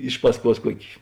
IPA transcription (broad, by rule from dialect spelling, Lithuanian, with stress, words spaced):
ˈɪʃ pɐsˌkuɔs ˈkuɔkʲɪ